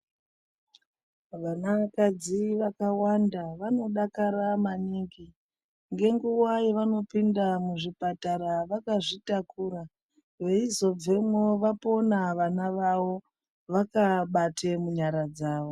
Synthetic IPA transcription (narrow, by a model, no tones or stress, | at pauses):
ʋanakad͡ziʋakawandaʋano̞ɗakaɾamaniːŋɡi | ŋɡe̞ŋɡuwajeʋano̞pindamuʐipataɾaʋakaʐitakuːra | ʋe̞izo̞b͡ve̞mwoʋapo̞naʋanaʋawo̞ | ʋakaɓatʰemuɲaɾad͡zaːʋo